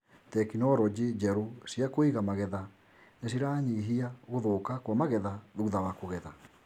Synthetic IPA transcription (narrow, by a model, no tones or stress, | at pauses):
tɛkinɔɾɔd͡ʑed͡ʑɛɾosiakoiɣamaɣɛða | nas̬iɾaːɲiɦiaɣoðoːkakwamaɣɛðaðuðawakoɣɛða